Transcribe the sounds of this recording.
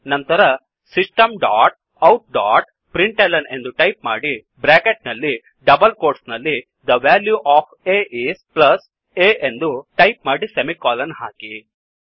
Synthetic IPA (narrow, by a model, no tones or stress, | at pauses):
nɐnt̪ɐɾɐ | sisʈɐmɖaːʈ̚ | ɐwʈ̚ɖaːʈ̚ | pɾiɳʈelɐne̞nd̪uʈɐjpma̰ːɽi | bɾaːkeʈ̚nɐlːi | ɖɐbɐlkoːɾʈsnɐlːi | d̪ɐʋaːljuʔaːpʰeːʔiːsplɐs | eːʔend̪uʈɐjp̚maːɽisemikaːlɐnɦaːki